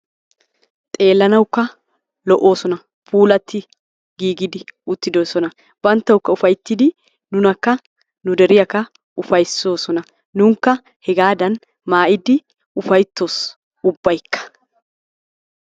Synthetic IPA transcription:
t̪ʼe̞ːlːɐnɐwkːɐ | lɔʔo̞ːsɔnɐ | fuːlɐt̪ːɪ | ɡiːɡɪd̪ɪʊt̪ːɪd̪o̞ːsɔnɐ | bɐnt̪ːɐwkːɐʊfɐjt̪ːɪd̪ɪ | nʊnɐkːɐ | nʊd̪ɛɾɪjɐkːɐ | ʊfɐjso̞ːsɔnɐ | nʊŋkːɐ | hɛɡaːd̪ɐn | maːʔɪd̪ɪ | ʊfɐjt̪ːoːs | ʊbːɐjkʰːɐ̥

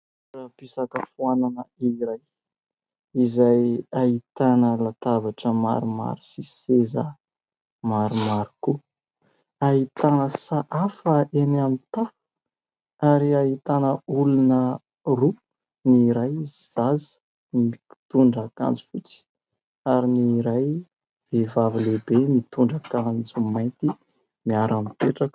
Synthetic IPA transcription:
urapisakəfuananəiɾaj | izajait̪anəlat̪avaʈ͡ʂəma̰ɾuma̰ɾi̥sisezə | maɾumaɾiku | aɦit̪anəsaʔafəʔenamit̪af | aɾiaɦit̪anəulunə | ru | niɾajz̥az | it̪uɳɖ͡ʐaka̰nd͡zu̥fut͡si̥ | aɾiniɾaj | v̥evavilebenit̪uɳɖ͡ʐakand͡zumajnt̪i | miaɾʔamipeʈ͡ʂakə̥

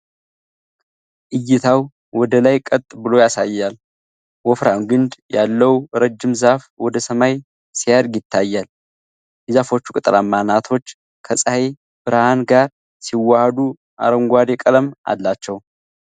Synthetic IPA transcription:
ʔɨjːɪt̪ʰaw | wɔd̪əlajkʼət̪ʼbɨlo̞jasajːal | wɔfɾanɡɨnd̪jalːəwɾəd͡ʒːɪmzafwɔd̪əsəmaj | sijaɾɡjɪt̪ʰːajːal | zafo̞t͡ʃːu̥kʼɨt̪ʼɨlamːanat̪ʰo̞t͡ʃː | kʰəsʼahe | b̥ɨɾahanɡaɾ | siwːahəd̪u | ʔa̰ɾəŋɡʷad̪ekʼələmʔa̰lːat͡ʃːɛw

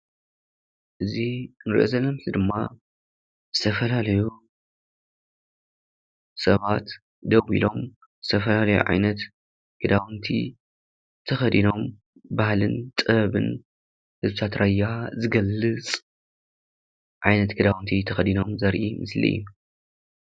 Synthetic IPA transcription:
ʔɨzinɨɾḭʔozɐlːɐmt̪id̪ɨmːa | z̥ɨt̪ʰɐfɐlalɐju | sɐβat̪ | d̪ɐwḭlo̞m | zɨt̪ʰɐfɐlalɐjṵʕa̰jnɐt̪ | ɡ̥ɨd̪awɨnt̪ʰḭ | t̪ʰɐxɐd̪ino̞m | bahlɨnt̪ʼɨɐβɨ̰n | hɨzɨt̪ʰat̪ɾʔajːazɨɡɐlːɨt͡sʼ | ʕajnɐt̪ɡɨd̪awnt̪ʰit̪ʰɐxɐd̪ino̞mzɐɾʔḭmɨslḭṵ

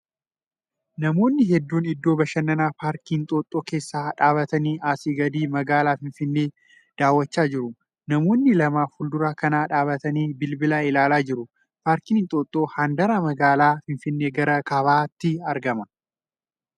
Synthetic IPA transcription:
nɐmo̞ːnːɪɦɛd̪ːuːnɪd̪ːo̞ːbɐʃɐnːɐnaːpaːɾkiːnt̪ʼoːt̪ʼːoːke̞ːsːaːᶑaːβɐt̪ɐniːʔaːsiːɡɐd̪iːmɐɡaːlaːfɪɱfɪnːe̞ː | d̪̥aːwːɐt͡ʃːaːd͡ʒɪɾʊ | nɐmo̞ːnːɪlɐmaːfʊld̪ʊɾaːkɐnaːᶑaːbɐt̪ɐniːbɪlbɪlaːɪlaːlaːd͡ʒɪɾʊ | paːɾkiːnt̪ʼoːt̪ʼːo̞ːhand̪ɐɾaːmɐɡaːlaːfɪnfɪnːeːɡɐɾɐkɐβaːt̪ːɪɐɾɡɐmɐ

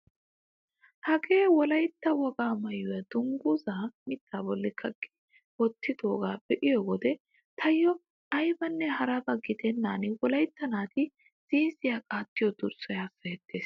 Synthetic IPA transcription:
hɐkʼeːwɔlɐjt̪ːɐwɔɡaːmɐjʊjɐd̪̥ʊŋɡuzaːmɪt̪ʰːaːbɔlːɪkʰɐkʼːɪ̥ | wɔt̪ːɪd̪oːɡaːbɛʔɪjɔɡɔd̪ɛ | t̪ʰɐjːɔ | ʔɐjbɐnːɛɦɐɾɐbɐɡɪd̪ɛnːaːnɪwɔlɐjt̪ːɐnaːt̪ɪ | z̥iːsɪjaːkʼaːt̪ːɪjɔd̪ʊɾsɔjaːsːɐjɛt̪ːeːs

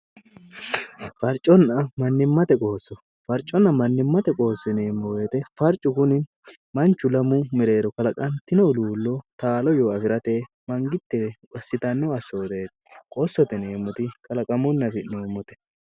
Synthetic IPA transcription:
fɐɾt͡ʃʼːɔnːɐmɐnːɪmːɐt̪ɛkʼo̞ːsːɔ | fɐɾt͡ʃʼːɔnːɐmɐnːɪmːɐt̪ɛkʼo̞ːsːɛneːmːɔweːt̪ɛfɐɾt͡ʃʼːʊkʊnɪ | mɐnt͡ʃːʊlɐmʊmɪɾe̞ːd̪ɔkɐlɐkʼɐnt̪ɪnɔluːlːɔt̪aːlɔjoːɐfɪɾɐt̪eː | mɐŋɡɪt̪ːɛ | ɐsːɪt̪ɐnːɐɐsːoːd̪eːt̪ɛkʼoːsːɔt̪ɛneːmːɔt̪ɪkʼɐlɐkʼɐmʊnːɐfɪnoːmːɔt̪ɛ̥

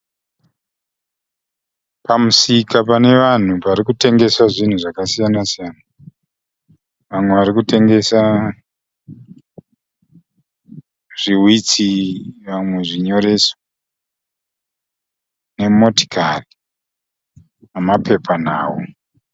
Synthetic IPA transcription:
pamusikapane̞ʋan̤upaɾikute̞ŋɡe̞swaʐin̤uʐakasijanasijaːna | ʋamwe̞ʋaɾikute̞ŋɡe̞sa | ʐ̥iwit͡siʋamwe̞ʐiɲo̞ɾe̞ːso̥ | ne̞mo̞ti̥kari | mamapʰe̞pʰan̤a̰ːwo

